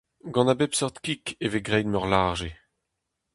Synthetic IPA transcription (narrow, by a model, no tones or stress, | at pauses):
ɡɑ̃nabepsɔʁt̪kikeveɡʁɛjnmœʁlaʒe